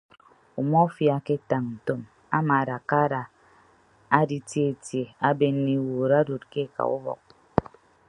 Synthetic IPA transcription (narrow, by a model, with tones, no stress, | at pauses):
u˨mʷɔ˦fja˨ke˦ta˨ŋn̩˨to˦m | a˦ma˨ɾa˨ka˦ɾa˨ | a˦di˨tje˦e˨tje˨a˦be˦n̩˦ni˦wo˨ɾa˦do˨t̚ke˦˨ka̰˨ṵ˦bɔ̰˨k̚